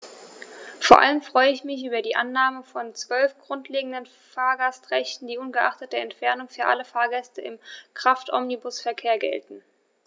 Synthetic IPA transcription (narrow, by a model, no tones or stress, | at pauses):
foːɐʔa̰ləmfʁ̥ɔʏəɪçmɪçʔyːbɐdiːʔanːaːməfɔnt͡sv̥œlfɡ̥ʁʊntʰleːɡŋ̩dən | faːɐɡastʁ̥ɛçtn̩diːʊnɡəʔaχtət̚d̥eːɐɛntfɛɐnʊŋfyːɐʔaləfaːɐɡɛstəɪmkʁ̥aftʔɔ̰mnibʊsfɛɐkʰeːɐɡɛ̰ltn̩